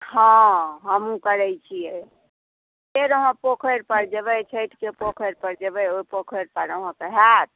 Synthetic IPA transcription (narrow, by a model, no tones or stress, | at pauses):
ɦɔ̃ɦəmũkəɾɛjt͡ʃʰije | eɾəɦãpokʰəɾpəɾd͡ʒeβəjt͡ʃʰəjʈʰkepokʰəɾpəɾd͡ʒebəjopokʰəɾpəɾəɦɔ̃keɦat̪̚